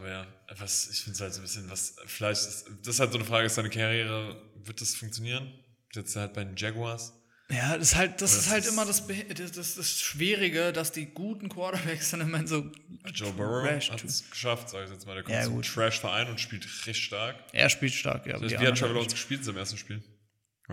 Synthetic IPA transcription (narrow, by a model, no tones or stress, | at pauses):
ʔaːbɐjaː | vasɪçfɪndəzhaltzoːnbɪsçənvasfɪlaɪçtɪsd̥asɪshaltz̥oːnəfʁ̥aːɡəɪsd̥aɪnəkʰaʁjeːʁ̞əvɪɐt̚d̥asfʊŋk̚t͡sjoniːʁən̥ | zɛt͡sd̥uhalt̚b̥aɪdend͡ʒɛɡwas | jaːdɛshalt̚d̥asɪsthaltʔɪmɐdasbdad̥asd̥asʃv̥iːʁɪɡədasd̥iːɡuːtn̩kʰw̥aɐtɐbɛksanɛmaɪnzoː | d͡ʒoʊbɛʁoɛhatsɡ̥ə̥ʃaftz̥aːɡɪçjɛt͡smaːldeɐkʰjma̰ːɡṵːtʁ̥ɛʃfɛɐʔaɪnʊntʃpiːltʁɛçtʃtaɐkʔḛɐʃpiːltʃta̰ɐk̚ɡ̥la̰bviːhattːʁ̥ɛvəlɔsɡ̥əʃpiːltɪnzaɪmeːɐstn̩ʃpiːl